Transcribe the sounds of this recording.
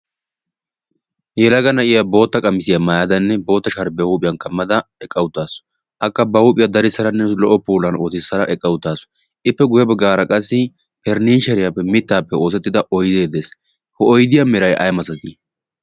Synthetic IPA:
jɛlɐɡɐnɐʔɪjabo̞ːt̪ːɐkʼɐmɪsɪjamajad̪ɐnːɛbo̞ːt̪ːɐʃɐɾbɛuːpʼɪjɐnkɐmːɐd̪ɐɛkʼːɐwʊt̪ːaːsɔ̥ | ʔɐkːɐbɐhupʼɪjɐd̪ɐɾɪsːɐɾɐnːɛlɔʔːɔpuːlɐnoːt̪ɪsːɐɾɐʔɛkʼːɐwʊt̪ːaːsɔ̥ | ʔɪpːɛɡʊjɛbɛɡaːɾɐkʼɐsːɪ | pɛɾniːʃɛɾɪjapːɛmɪt̪ːaːpːɛo̞ːs̬ɛt̪ːɪd̪ɐʔɔjd̪e̞ːd̪eːs | hɔɔjd̪ɪjɐmɛɾɐjʔɐ̰jmɐsɐt̪i

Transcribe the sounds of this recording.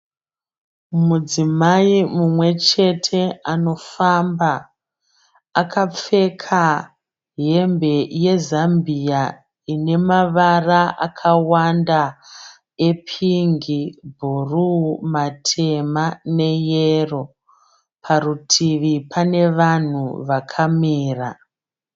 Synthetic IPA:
mud͡zimaimumwe̞t͡ʃe̞tʰe̞ano̞famba | kʰap͡fe̞kʰa | ɦe̞mbe̞je̞zambʱia | ine̞maʋaraʔa̰kʰawanda | epʰiŋɡibʱurumatʰe̞mane̞jero̞ | pʰarutʰiʋipʰane̞ʋan̤uʋakʰamiːra

